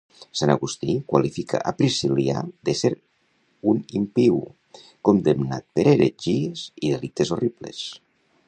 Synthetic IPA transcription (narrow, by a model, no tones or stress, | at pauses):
sanaɣust̪ikwa̰lifikʰa̰ʔapɾisilia̰ðeseɾ | unimpiw | kond̪emna̰t̪̚peɾeɾeʒieziðelit̪ezoriplḛs